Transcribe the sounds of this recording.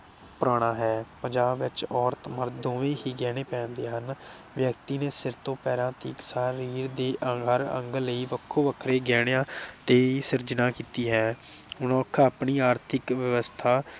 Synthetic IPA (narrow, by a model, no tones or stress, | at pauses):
pʊɾaːɽ̃aːɦɛːpəɲd͡ʒaːbʋɪt͡ʃɔːɾt̪məɾd̪õːʋẽːɦiːɡɛːɽ̃eːpɛ̃ːnd̪eːɦən | ʋjəkt̪iːneːsɪɾt̪õːpɛːɾãːt̪ḭːksaːɾiːɾd̪eːʔəɦəɾə̰̃ŋɡləiːʋəkʰːoːʋəkʰɾeːɡɛːɽ̃jãːt̪eːiːsɪɾd͡ʒnãːkiːt̪iːɦɛːʊnɔːkʰːaːpɳiːaːɾt̪ʰɪkʋɪʋəst̪ʰaː